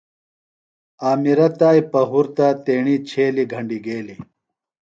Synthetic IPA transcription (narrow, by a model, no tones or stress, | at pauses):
aːmiɾɐt̪aːjpɐɦuɾt̪at̪eːɳit͡ɕʰeːliɡʱɐɳɖiɡeːli